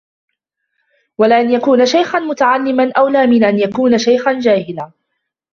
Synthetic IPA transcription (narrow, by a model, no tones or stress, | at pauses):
walaʔanjakuːnaʃajxanmʊt̪aʕalːɪmanʔawlaːmɪnʔanjakuːnaʃajxand͡ʒaːhɪlaː